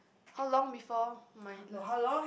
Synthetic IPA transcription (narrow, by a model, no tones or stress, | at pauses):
haʊlɔ̃ŋbifɔmahaɔ̃